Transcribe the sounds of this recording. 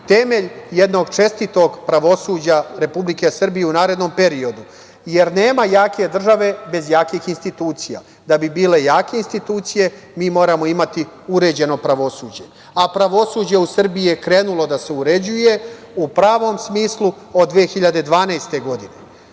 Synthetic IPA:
t̪e̞me̞ʎje̞d̪no̞ɡt͡ʃe̞st̪it̪o̞ɡpɾaʋo̞suːd͡ʑaɾe̞publike̞sr̩bijeunaːɾe̞d̪no̞mpe̞ɾio̞d̪u | je̞ɾne̞ːmajaːke̞d̪r̩ʒaʋe̞be̞zjaːkixinst̪it̪uːt̪sija̰ | d̪abibiːle̞jaːke̞inst̪it̪uːt̪sije̞ | miːmo̞ːɾamo̞imat̪i | uɾe̞ːd͡ʑe̞no̞pɾaʋo̞suːd͡ʑe̞ | apɾaʋo̞suːd͡ʑe̞usr̩bijijekɾe̞ːnulo̞d̪aseuɾe̞d͡ʑuje̞ | upɾaːʋo̞msmiːslu | od̪d̪ːʋexiʎad̪e̞d̪ʋaːnajst̪e̞ɡo̞d̪ine

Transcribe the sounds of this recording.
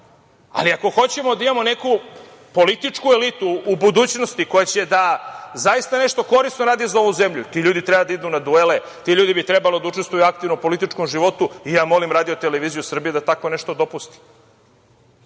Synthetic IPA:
a̰liako̞xo̞t͡ɕe̞mo̞d̪aimamo̞ne̞ku | po̞lit̪it͡ʂkuelit̪uːbud̪uːt͡ɕno̞st̪iko̞jat͡ɕe̞d̪azaist̪ane̞ʂt̪o̞ko̞ɾisnoɾaːd̪izao̞ʋuzemʎut̪iʎuːd̪it̪ɾebad̪aid̪unad̪uele | t̪iʎuːd̪ibit̪ɾebalo̞d̪auʈ͡ʂe̞st̪ʋujuak̚t̪ivnopo̞lit̪it͡ʂkomʒiʋo̞t̪uijaːmo̞limɾaːd̪ijot̪eleʋiːzijusr̩bijed̪at̪ako̞neʃt̪o̞d̪o̞pust̪i̥

